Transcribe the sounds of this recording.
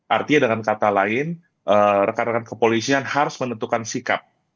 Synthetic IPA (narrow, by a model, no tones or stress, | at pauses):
ʔart̪iɲadəŋankat̪alaɪn | ʔəɾəkaɾaŋankəpolisianhaɾʊsmənənt̪ukansika̰p̚